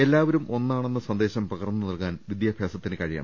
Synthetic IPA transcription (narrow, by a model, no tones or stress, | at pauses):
e̞lːaːʋɐɾumo̞nːaːɳenːɐsɐnd̪e̞ːɕɐmpɐɣɐrnːɨnɐlkaːnʋid̪jaːbʱjaːsɐt̪ːinɨkɐɻija̰ːɳɐ